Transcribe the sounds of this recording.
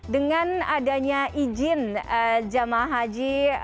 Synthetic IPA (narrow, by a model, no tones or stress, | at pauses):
dəŋanadaɲaʔid͡ʒɪnd͡ʒamaɦad͡ʒi